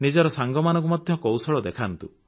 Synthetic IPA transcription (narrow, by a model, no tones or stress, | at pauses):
nid͡ʒɔɾɔsaŋɡɔmanɔ̃ŋk̬umad̪ʱjɔkɔwsɔɭɔd̪ekʰant̪u